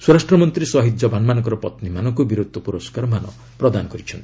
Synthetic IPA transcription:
suɾasʈɾɔmɔnt̪ɾisɔɦid̪jɔbʱanmanɔ̃ŋkɔɾɔpɔt̪nimanɔŋkubiɾud̪ʱːɔpuɾoskaɾɔmanɔ̰ | pɾɔd̪anɔkɔɾit͡ʃʰɔnt̪ʰi

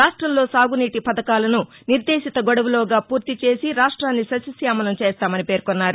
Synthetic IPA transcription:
aːʂʈɾɐmlo̞ːsaːɡuniːʈipɐd̪ɐkaːlɐnu | niɾd̪eːʃit̪ɐɡɔɽɐʋuloːɡaːpuːɾt̪it͡ʃe̞ːsiɾaːʂʈɾaːnːisɐsɐsjaːmɐnɐt͡ʃeːst̪aːmɐnipe̞ːɾkonːaːɾu

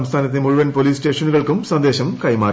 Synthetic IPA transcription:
mst̪ʰaːnɐt̪ːemuɻuʋɐnpo̞liːsʈe̞ːʂɐnuɣɐɭkumsɐnd̪eːɕɐmkɐjmaː

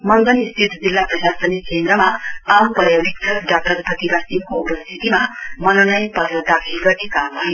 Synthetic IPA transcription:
mʌnɡ̪ʌnist̪ʰit̪ʰd͡zilːaprʌsasʌnikʰend̪ɾʌmaampʌɾjabikt̪ʌsɖak̚ʈʌrpʌt̪ibasimkoupʌst̪ʰit̪imamʌnonʌjpʌɾjad̪akʰilɡʌrnekamɦʌjo

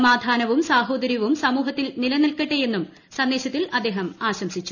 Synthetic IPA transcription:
ɐmaːd̪ʱaːnɐʋumsaːɦo̞ːd̪ɐɾjɐʋumsɐmuːɦɐt̪ːilnilɐnɐlkɐʈːeje̞nːum | sɐnd̪eːɕɐt̪ːilɐd̪ːeːɦɐmaːɕɐmsit͡ɕːu̥

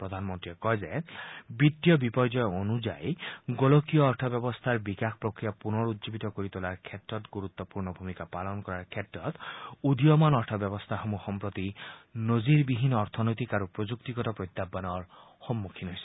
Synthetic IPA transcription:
pɹɔd̪ʱanmɔnt̪ɹiɛkɔjzebit̪ːijɔbipɔjd͡ʒɔjonud͡ʒa̰jɡolokijɔːɾtʰɔbjɔbɔst̪ʰaɹbikakʰpɾokɹijapunɔɹut̪zibit̪ɔkoɾit̪ulaɹkʰɛtɾɔt̪ɡuɾut̪ːɔpuɹnɔbʱumikapalɔnɔkɔɾaɹkʰɛtɹɔt̪ud̪ijɔmɔnɔɹtʰɔbjɔbɔst̪ʰaxɔmuxɔmpɾɔt̪inoziɾbiɦinːɔːɾt̪ʰɔnojt̪ikaɾupɹod͡ʒukt̪iɡɔtɔpɾɔjt̪ːabanɔɹ | xɔmːukʰinɦojsɔ̥

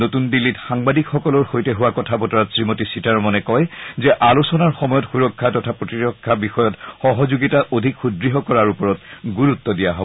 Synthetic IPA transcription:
notundilːitxaŋbadikxɔkɔlɔɹxojtɛɦuwakɔtʰabɔtɔɹatsɹimotisitaɹmɔnɛkɔjzɛʔalusɔnaɹxɔmɔjɔtxuɹɔkʰːatɔtʰapɹotiɹɔkʰːabixɔjɔtxɔɦɔzuɡitaʔodʱikxudɹiɦɔkɔɹaɹupɔɹɔtɡuɹut̪ːɔdijaɦɔbɔ

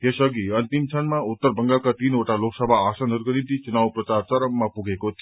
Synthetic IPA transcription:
jesʌɡiʌnt̪imt͡sʰʌnmaut̪ːʌrbʌŋɡakat̪inoʈaloksʌbʱaːsʌnɦuɾukonint̪it͡sunawprʌt͡sart͡sʌɾʌmːapuɡʱekot̪ʰ

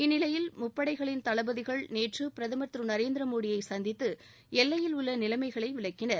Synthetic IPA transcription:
ɪnːɪlɐjɪlmʊpːɐɽɐɪɣɐɭɪnt̪ɐɭɐbɐðɪɣɐɭneːʈrɯpɪɾɐðɐmɐt̪ɾɯnɐɾeːnd̪ɾɐmoːɽɪjɐɪsɐnd̪ɪt̪ːɯ | ɛlːɐjɪlʊɭːɐnɪlɐmɐɪɣɐɭɐɪʋɪɭɐkːɪnɐɾ

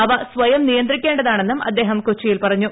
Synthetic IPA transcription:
ɐʋɐsʋɐjɐmnijɐnd̪rikʲːeːɳɖɐðaːɳe̞nːumɐ̰d̪ːe̞ːɦɐmkot͡ɕːijilpɐrɐɲːu

